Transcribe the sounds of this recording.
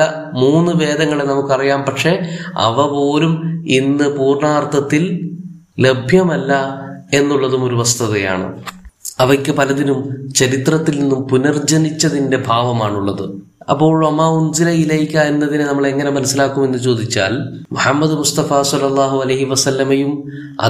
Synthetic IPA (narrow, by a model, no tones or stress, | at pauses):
ɐ | muːnːɨʋe̞ːd̪ɐŋːɐɭenɐmukːɨɐrijaːmpɐkʂe̞ɐ̰ʋɐpo̞ːluminːɨpuːrɳaːrt̪ʰɐt̪ːil | le̞bʱjɐmɐlːɐe̞nːuɭːɐðumo̞ɾuʋɐst̪ʰɐðɐja̰ːɳɨ̰ɐʋɐkʲːɨpɐlɐðinumt͡ɕɐɾit̪rɐt̪ːilninːumpunɐrd͡ʑɐnit͡ɕːɐðinde̞bʱaːʋɐmaːɳuɭːɐðɨ | ɐ̰pːo̞ːɭɐmːaːunzilɐilɐjkʲːaːjiɾunːɐðinɨnɐmːɐɭe̞ŋːɐne̞mɐnɐsːilaːkːume̞nːɨt͡ɕo̞ːd̪it͡ɕːa̰ːl | muħɐmːɐðɨmust̪ɐfaːsɐlːɐlˠˤːaːɦuɐlɐjɦiʋɐsɐlːɐmɐjum | ɐ̰